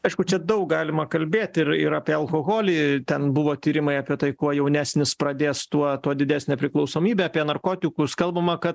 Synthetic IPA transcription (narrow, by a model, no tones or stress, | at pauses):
ɐɪʃkʊt͡ʃʲɛd̪ɐʊk̚ɡɑːlʲɪmɐkɐlʲbʲeːt̪ʲɪɾɪ̰ɾɑːpʲiɛɐlˠkoːɣoːlʲiːt̪ʲɛnbʊʋoːt̪ʲiːɾʲɪmɐɪɑːpʲiɛt̪ɐɪkuɔjɛʊnʲæːsʲnʲɪspɾɐd̪ʲeːst̪uɔt̪uɔd̪ʲɪd̪ʲæːsʲnʲɛpʲɾʲɪklˠɐʊsoːmʲiːbʲeɑːpʲiɛnɐrkoːt̪ʲɪkʊskɐlˠbɐmɐkɐt̪